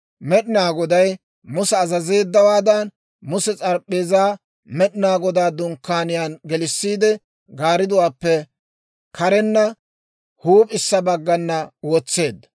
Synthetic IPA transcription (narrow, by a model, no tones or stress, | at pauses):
mɛɗɪnaːɡɔd̪ɐj | mʊsɛːzɐze̞ːd̪ːɐwaːd̪ɐn | mʊsɛt͡sʼɐɾpʼːe̞ːzaː | mɛɗɪnaːɡɔd̪aːd̪ʊŋkːaːnɪjaːnɡɛlɪsːiːd̪ɛ | ɡaːɾɪd̪ʊwaːpːɛ | kʰɐɾɛnːɐ | huːpʼɪsːɐbɐɡːɐnːɐwɔt͡sːe̞ːd̪ːɐ